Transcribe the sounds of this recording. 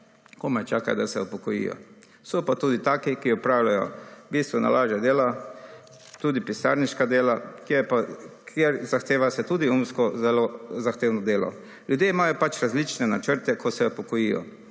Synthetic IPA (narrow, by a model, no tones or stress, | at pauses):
komat͡ʃaːka̰d̪asɛupɔkɔjḭjɔ̰ | sɔpat̪uːd̪it̪aːkikiɔpɾaːwlajɔ̰biːst̪ʋɔna̰laːʒɛd̪eːla | t̪uːd̪ipisa̰ːɾniʃkad̪eːlakjepakʰjeɾzaxt̪eːʋasɛt̪ud̪iumskɔzɛlozaxt̪eːwnɔd̪eːlɔ̰ | ljud̪jeːimaːjɔpat͡ʃɾazlit͡ʃnɛnat͡ʃəɾt̪ɛkʰosɛupɔkɔjijɔ̰